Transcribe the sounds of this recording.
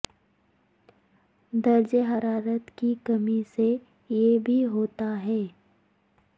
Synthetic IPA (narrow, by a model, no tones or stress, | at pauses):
d̪ɐɾd͡ʒeɦɐɾaːɾət̪kikɐmise | jebʱiɦoːt̪aɦɛː